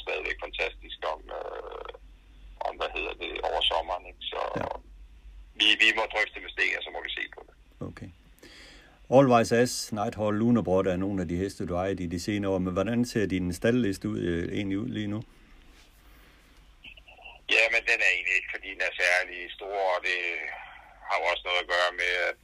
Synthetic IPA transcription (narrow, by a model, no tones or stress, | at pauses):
sd̥ɛð̞ˠʋeɡ̥fænt͡sʰæsd̥isɡ̥ɒmø | ʔɒmʋæhe̝ð̞̰ˠɐd̥e̝ɒʊɐsɒ̽mɐːneɡ̥sɒ | ʋiʋimɒd̥ʁœfd̥emesd̥e̝̰ːnəsɒ̽mɒʋise̝̰ːpʰɒ̽d̥e̝ | okʰeː | ɒːlʋɑ̈ɪsæsnɑ̈ɪd̥hɒlːuːnəb̥ʁɔɾ̥æɐno̝ːn̩ædiɦesd̥əd̥uɑɪd̥id̥ise̝ːnəɒ̰menʋɒɾænse̝ɐd̥i̥ensd̥ælːesd̥uð̰ˠe̝̰ːnliuð̰ˠliːnu | jæmend̥enæɐe̝̰ːnlie̝ɡ̥fɒd̥ḭːd̥enæɐsæɐlisd̥o̝ːɐ̰ɒd̥e̝ | hɑ̈joɒ̽sənɔ̽ːð̩ˠæɡ̥ɶːɐmeæd̥